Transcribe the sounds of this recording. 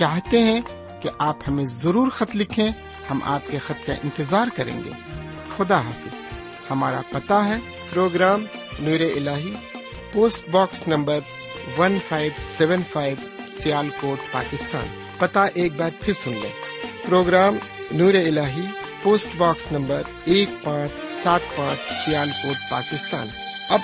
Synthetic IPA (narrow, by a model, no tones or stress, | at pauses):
t͡ʃaːɦt̪eɦɛ̃ | keʔaːphɐmẽzɐɾuːɾxɐt̪lɪkʰẽ | hɐmʔa̰ːpkexɐt̪̚kaʔɪ̰̃nt̪ɪzaːɾkɐɾḛ̃ːŋɡḛː | xʊd̪aɦaːfɪz̥ | hɐmaːɾa̰pɐt̪aɦɛː | pɾoːɡɾaːmnuːɾeʔɪlaːɦi | poːsʈbaːksnɐ̃mbəɾ | ʋɐnfʰaːɪʋsɛʋənpʰaːɪʋ | sɪjaːlkoːʈpa̰ːkɪst̪a̰ːn | pɐt̪aʔeːk̚bɛːt̪pʰɪɾsʊnlḛːpɾoːɡɾaːmnuːɾeɪlaːɦipoːsʈbaːksnɐ̃mbəɾ | eːk̚pãːt͡ʃʰsaːt̪̚pãːt͡ʃʰsɪjaːlkoːʈ̚pa̰ːkɪst̪a̰ːn | ɐb